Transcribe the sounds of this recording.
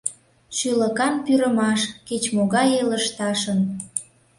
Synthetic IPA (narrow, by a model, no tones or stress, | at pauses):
ʃyləkɑnpyɾəmɑʃket͡ɕmoɣɑjeləʃt̪ɑʃən